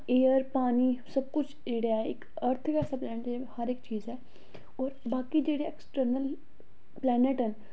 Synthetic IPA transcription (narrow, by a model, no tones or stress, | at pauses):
eːəɾpaːniːsəb̚kʊt͡ʃʰd͡ʒeːɽaːɛɪk | əɾt̪ʰkɛːɾsaːplɛːnɪʈːhəɾɪkt͡ʃiːzɛː | ɔːɾbaːkiːd͡ʒeːɽeːɛksʈəɾnəl | plɛːnɪʈɦən